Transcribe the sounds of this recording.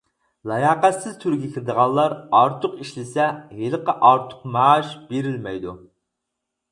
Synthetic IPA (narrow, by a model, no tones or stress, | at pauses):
lˠɑjɑːqæt̪sɪz̥t̪ʰyɾɡʲɛkʲʰiɾɪd̪əʁɑlˠːɑɾɑɾt̪ʰʊqiʃlɪsɛɦelˠəqəʔɑɾt̪ʰʊ̥qmɑʃbeɾɪlmɛjd̪u